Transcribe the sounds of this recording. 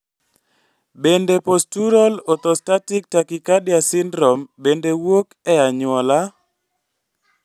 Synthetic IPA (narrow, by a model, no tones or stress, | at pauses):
bendepostuɾɔlɔt̪ɔstatik̚takikadjasɪndɾɔmbendewokɛaɲʊɔla